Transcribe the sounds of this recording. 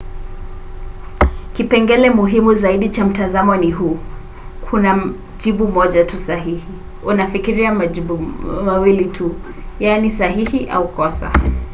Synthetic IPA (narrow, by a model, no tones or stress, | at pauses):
kipɛŋɡɛlɛmuɦimuzaiɗit͡ʃam̩tazamɔniɦu | kʰuna | ʄiɓumɔʄatusaɦihi | unafikiɾiamaʄiɓumawilitʰu | janisaɦihiʔa̰ukɔsa̰